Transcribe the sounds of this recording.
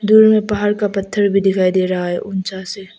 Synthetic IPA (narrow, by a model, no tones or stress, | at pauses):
d̪uːɾmẽpaɦaːɾkapɐt̪ʰːəɾbʱid̪ɪkʰaːid̪eːɾɐɦaɦɛ̰ʔʊnt͡ʃase